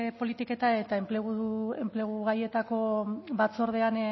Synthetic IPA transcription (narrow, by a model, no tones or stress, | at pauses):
po̞lit̪ike̞t̪ae̞t̪aempleɣuemple̞ɣ̞uɣaje̞t̪ako̞βat͡so̞ɾð̞e̞an